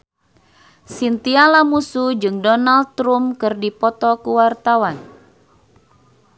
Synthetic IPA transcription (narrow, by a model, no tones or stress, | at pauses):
sint̪ialamusud͡ʒɨŋdɔnald̪̚t̪ɾumkɨrdipɔt̪ɔkuwart̪awan